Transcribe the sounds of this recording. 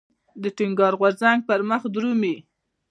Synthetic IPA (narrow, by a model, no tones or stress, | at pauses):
d̪əʈɪŋɡɑɾɣwaɾzaŋɡ̚pəɾməxd̪ɾumi